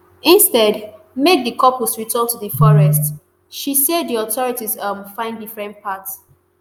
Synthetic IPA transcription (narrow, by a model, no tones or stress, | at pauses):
ɪ̃nstɛd | med̚ðikʰɔpɔsɹitʰɜ̃ntuðəfɔɹɛst | ʃisɛdðiɔtɔɹitizʌmfãɪ̃ndifɹɛ̃ntpʰats